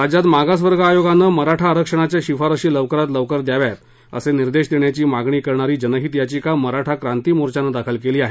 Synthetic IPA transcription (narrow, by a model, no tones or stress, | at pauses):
ɾad͡ʑat̪maɡas̬ʋəɾɡʱaːjoɡanːəməɾaʈʰaəɾəkʂəɳ̃at͡ɕjaɕifaɾəɕiːləʋkəɾat̪ləʋkəɾd̪jaʋjat̪ | ə̰seniɾd̪eɕd̪eɳjat͡ɕiːmaɡɳiːkəɾɳaɾiːd͡ʑənəɦiːt̪jat͡ɕiːkaməɾaʈʰakɾant̪iːmoɾt͡ɕanəd̪akʰəlkeliːaɦe